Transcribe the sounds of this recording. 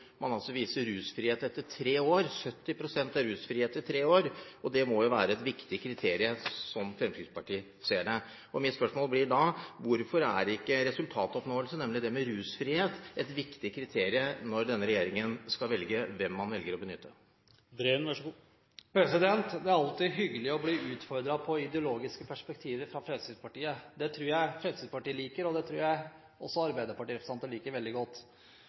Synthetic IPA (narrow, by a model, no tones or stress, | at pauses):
mʔɑnɑlsɔʋiːsəɾʉːsfɾiːeːt̪ɛt̪ːəʈʰɾeːoːɾsœt̪ːɪpʰɾʊsɛnt̪ɑɾʉːsfɾiːheːt̪ɪt̪ʰɾeːoːɾɔd̪ɛmɔjʊʋæ̰ːɾəɛt̪ʋɪkt̪ɪkʰɾɪt̪ʰeːɾɪəsɔmfɾɛmskɾɪɡ̪spɑʈiːə | seːɖɛ | ɔmɪt̪spœʂmoːlblɪɖɑʋʊɾfɔɾæ̰ɖɛɪkːəɾɛsʉlt̪ʰɑːt̪ɔpnoːəlsənɛmlɪd̪ɛmɛɾʉːsfɾiːheːt̪ɛt̪ʋɪkt̪ɪkʰɾɪt̪ʰeːɾɪənɔɾd̪ɛnːəɾɛjeːɾɪŋənskɑlʋɛlɡəʋɛmːɑnʋɛlɡəɾɔbənʏt̪ːə | bɾeːnʋæʂɡu | pʰɾɛsɪd̪ɛnt̪d̪ɛæɾɑlt̪ɪɦʏɡːəlɪɔbliːʉːt̪fɔɾd̪ɾɑpʰɔɪd̪ɛʊloːɡɪskəpʰæʂpɛk̚t̪ʰiːʋəɾfɾɑfɾɛsid̪pɑʈiːəd̪ɛt̪ʰɾʉːɾjæɪfɾɛd̪sid̪pɑʈiːəliːkəɾɔd̪ɛt̪ʰɾʉːɾjæɪ | ɔsːɔɑɾbæɪd̪əɾpɑʈiːɾɛpɾəsɑnt̪əliːkəɾʋɛld̪ɪɡɔt̪ː